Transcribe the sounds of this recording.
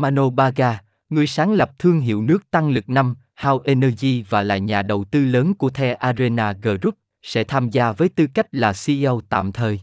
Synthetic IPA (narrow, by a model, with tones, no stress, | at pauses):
maː˧no˧ɓaː˧ɣaː˧ | ŋɨ˨˩əjsaː˨˦ŋlə˨˩p̚t̪ʰɨ˧əŋɦḭ˧˨əwnɨ˦˥ək̚t̪a˧ŋlɨ˨˩k̚na˧m | haː˧wʔe˧nɛ˧zi˧vaː˨˩la̰ː˧˨jɲaː˨˩ɗə˨˩wt̪ɨ˧ləː˨˦nku˧˩ət̪ʰɛ˧ʔaː˧ze˧naː˧ɣəː˧˩zu˦˥p̚ | sɛ̰˧˥t̪ʰaː˧mzaː˧vəː˨˦jt̪ɨ˧ka˦˥jk̟̚laː˨˩si˧ə˧wt̪a̰ː˧˨mt̪ʰəː˨˩j